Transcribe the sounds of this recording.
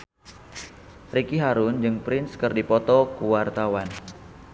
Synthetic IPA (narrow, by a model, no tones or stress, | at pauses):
rikiɦaɾʊnd͡ʒɨŋpɾɪnskɨrdipɔt̪ɔkuwart̪awan